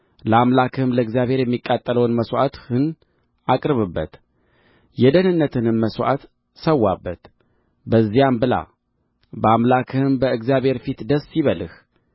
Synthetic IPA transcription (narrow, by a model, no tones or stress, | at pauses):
ləamlakʰɨmləɨɡzijaβhe̞ɾjɛmːikʼːat̪ʼːələwnməswʔa̰t̪hɨn | akʼɾɨβɨbːət̪ | jɛd̪ənɨnːət̪ʰɨnɨnməswʔa̰t̪ | səwːabːət̪ | bəzːijambɨla̰ | bəamlakʰɨmbəɨɡzjaβhe̞ɾfit̪d̪əsːiβəlɨx